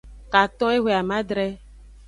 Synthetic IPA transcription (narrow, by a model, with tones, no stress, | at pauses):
ka˨t̪ɔ̃˦e˦ɦʷe˨a˨mã˦d̪ɾɛ˦